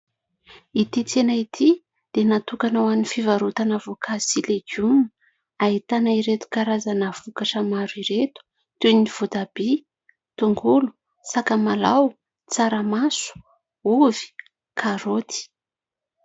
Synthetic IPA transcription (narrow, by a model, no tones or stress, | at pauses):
it̪it͡senait̪ʰi | d̪̥enat̪ukanawanifivaɾut̪anavokʰasileɡun | ait̪anaiɾet̪u̥kaɾazanəv̥ukaʈ͡ʂəmaɾiɾet̪u̥ | t̪univ̥ut̪abi | t̪uŋɡulu̥ | sakamalaw | t͡saɾəmasu̥ | uvi̥ | kʰaɾot̪i̥